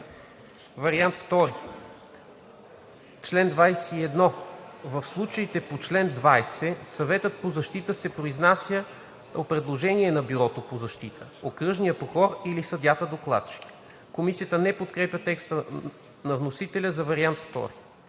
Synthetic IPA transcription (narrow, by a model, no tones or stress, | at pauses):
vɐɾiant̪ft̪ɔɾi | t͡ʃlɛnd̪vajsɛiɛd̪nɔvəfslˠut͡ʃəit̪ɛpot͡ʃlɛnd̪vajsɛsɐvɛt̪ət̪̚pozɐʃt̪it̪əsɛpɾoiznasʲjə | opɾɛd̪lˠoʒɛniɛnɐbiɾɔt̪opozɐʃt̪it̪ʰəokɾɤʒnijəpoxɔɾilisɐd̪jat̪əd̪oklˠa̰t̪̚t͡ʃi̥k | komisijət̪ənɛpot̪kɾɛpʲət̪ɛkst̪ə | nɐvnosit̪ɛlʲəzɐvɐɾiant̪ft̪ɔ̰ɾi